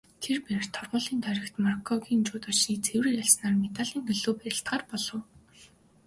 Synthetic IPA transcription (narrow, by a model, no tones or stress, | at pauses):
t̪ʰerpæɾ̆r̥t̪ʰːɔrʁʊːɮiːnt̪ʰœɾʲɪ̆kt̪markʰɔɣiːnt͡ɕʊːt̪ɔʃiːt͡sʰewriːkaɮsnaːrmet̪aːɮiːŋɡɵɮoːpæɾʲɪ̆ɬt̪ɢaːrpɔɮɞ̆w